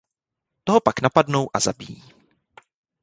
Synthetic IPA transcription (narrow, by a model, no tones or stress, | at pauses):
t̪oɦo̞paknapadno̞wʔaza̰bijiː